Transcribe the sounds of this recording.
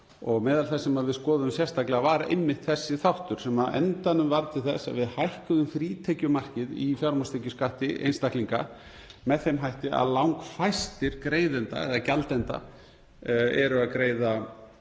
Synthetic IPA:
ɔɣmɛːðalθɛsːɛmaðvɪðskɔːðʏðʏmsjɛr̥st̪aklɪɣavaɾaḛjmːɪht̪θɛsːɪθawht̪ʏɾ̥sɛmaðɛ̰nt̪anʏmvaɾt̪ʰɪlθɛsa̰ðvɪðhajhkʏðʏmfɾiːt̪ʰɛcʏmar̥cɪðḭfjawɾmɔst̪ʰejcʏskaht̪ɪʔḛjnst̪ahkliŋka̰ | mɛðθejmɦajht̪ɪa̰ðlawŋkfajst̪ɪɾkɾeːjðɛnt̪a̰ɛ̰ðacalt̪ɛnt̪a̰ | ɛɾʏaðkɾeːjða

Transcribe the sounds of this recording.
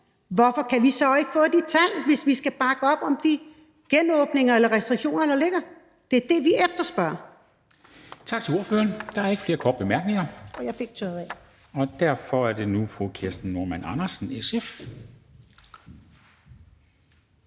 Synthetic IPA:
ʋɒfɒ̽kʰæʋisɒ̽e̝ɡ̥əfɔ̰̽ːd̥it͡sʰæl̰ʋe̝sʋisɡ̥æb̥ɑ̈ɡ̥əɒ̽b̥ɒ̽md̥i | ɡ̥enɔ̽ːb̥ne̝ŋɐelɐʁɛsd̥ʁiɡ̥ɕo̝̰ːnɐeɾlɑle̝ɡ̥ɐ | d̥e̝æɐd̥e̝ʋiefd̥ɐsb̥ɶɐ | t͡sʰɑ̈ɡ̥t͡sʰe̝lo̝ɐføːɐnd̥ɑ̈æɐe̝ɡ̥fle̝ːɐkʰɒ̰ːd̥̚b̥emæɐɡ̥ne̝ŋɐɒ̽jɑ̈ɪfe̝ɡ̥̚t͡sʰɔð̩ˠɛ | ɒ̽d̥æɐ̰fɒ̽æɐd̥e̝nufʁukʰesd̥n̩ːoɐmænɑ̈nɐsn̩esef

